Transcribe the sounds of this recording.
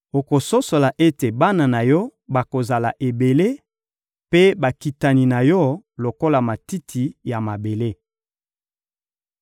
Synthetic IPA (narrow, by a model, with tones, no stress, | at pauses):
o˨ko˨so˦so˨la˨ʔe˦te˨ba˦na˨na˨jɔ˦ba˨ko˨za˨la̰˨ʔe˨be˨le˦ | pe˦ba˨ki˨ta˨ni˨na˨jɔ˦lo˨ko˦la˨ma˨ti˦tʰi˨ja˨ma˨be˨le˦